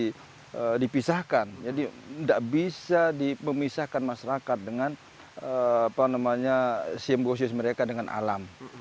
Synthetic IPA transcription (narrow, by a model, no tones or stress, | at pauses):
ədipisahkand͡ʒadindaʔbisadiməmisahkanmaʃaɾakat̪̚dəŋan | əapanamaɲasimbos̬ɪsməɾekadəŋanʔa̰lam